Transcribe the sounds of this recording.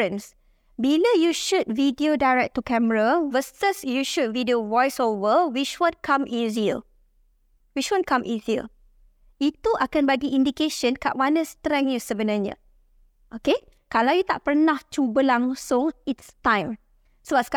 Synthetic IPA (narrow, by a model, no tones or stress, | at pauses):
ə̃ns | biləjuʃud̚vidiodajɹɛk̚t̪ukɛməɹavəstəsjuʃud̚vidiovɔjsovəwiʃwɔ̃nkʰãmizil | wit͡ʃwɔ̃nkãmʔizil | it̪uʔakanbaɡiĩndikeʃə̃nkaʔwanə̃st̪ɾɛ̃ŋjusəbənaɲə̰ | ʔoke | kalawjut̪aʔpərnãht͡ʃubəlaŋsʊ̃ŋitst̪ãj̃m | sobask